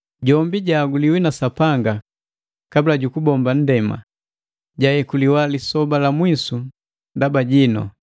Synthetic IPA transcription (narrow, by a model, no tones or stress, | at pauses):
ɟɔmbiɟaːɡuliwinasapaŋɡa | kabilaɟukubɔmban̩dɛma̰ | ɟajɛkuliwalisɔbalamwisu | ndabaɟinɔ̰